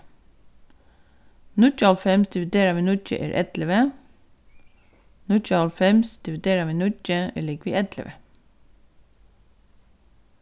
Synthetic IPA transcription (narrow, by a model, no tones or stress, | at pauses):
nʉc͡çəɑlfɛmsd̪ɪʋɪd̪eːɾɑʋiːnʉc͡çə̰ʔḛːɾʔɛ̰t̪ləʋə | nʉc͡çɑlfɛmsd̪̥ɪʋɪd̪eːɾɑʋiːnʉt͡ʃəḛːɭɪɡʋḭːʔɛt̪lə̰ʋə